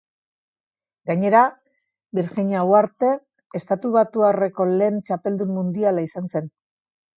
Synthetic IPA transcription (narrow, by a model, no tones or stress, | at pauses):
ɡaɲe̞ɾa | biɾxiɲawaɾt̪e̞ | est̪at̪uβ̞at̪uare̞ko̞le̞ːnt͡ʃape̞ld̪umːund̪ialaisanse̞n